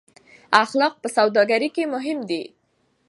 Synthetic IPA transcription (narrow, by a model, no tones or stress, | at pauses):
axlɑq̚pəsawd̪ɑɡaɾikemʊɦɪmd̪i